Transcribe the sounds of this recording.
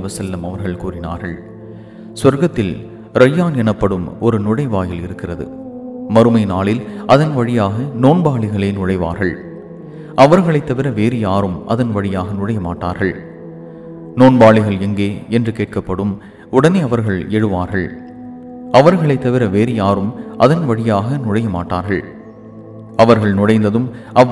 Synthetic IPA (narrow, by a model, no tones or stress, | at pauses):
ʋɐsɐlːɐmɐʋɐɾɣɐɭkuːrɪna̰ːɾɣɐɭ | sʋɐɾɣɐt̪ːɪl | ɾɐjːaːnɛnɐpːɐɽɯmɔɾɯnʊɻɐɪʋaːjɪlɪɾɯkːɪrɐðɯ̰ | mɐɾɯmɐɪnaːɭɪlʔɐðɐnʋɐɻɪjaːɣɐnoːnbaːɭɪɣɐɭeːnʊɻɐɪʋa̰ːɾɣɐɭ | ʔɐʋɐɾɣɐɭɐɪt̪ːɐʋɪɾɐʋeːɾɪjaːɾɯmʔɐ̰ðɐnʋɐɻɪjaːɣɐnʊɻɐjɐma̰ːʈːa̰ːɾɣɐɭ | noːnbaːɭɪɣɐɭɛŋɡeːɛndrɯkeːʈ̚kɐpːɐɽɯm | ʊɽɐneːɐʋɐɾɣɐɭɛɻɯʋaːɾɣɐɭ | ɐʋɐɾɣɐɭɐɪt̪ːɐʋɪɾɐʋeːɾɪjaːɾɯmʔɐðɐnʋɐɻɪjaːɣɐnʊɻɐjɐma̰ːʈːaːɾɣɐɭ | ɐʋɐɾɣɐɭnʊɽɐɪnd̪ɐðɯmɐ